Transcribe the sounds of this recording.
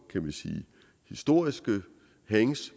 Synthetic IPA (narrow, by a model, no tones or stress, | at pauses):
kʰæmænsḭː | hisd̥o̝ɐ̰isɡ̥ə | heŋs